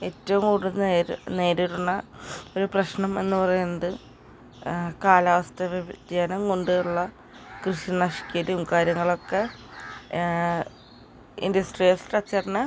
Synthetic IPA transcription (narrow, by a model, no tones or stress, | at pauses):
e̞ːtːɐʋumkuɽunːeːɾne̞ːɾiɾunːɐo̞ɾuprɐɕnɐme̞nːɨpɐrɐjunːɐðɨ | kaːlaʋɐst̪ʰɐʋɐd͡ʑaːnɐŋkoɳɖɨuɭːɐ | krɨʂinɐʂi̥kʲːɐɾumkaːɾjɐŋːɐɭo̞kːe | ḭndɐsʈrijɐlsrɐt͡ɕːɐrnːɐ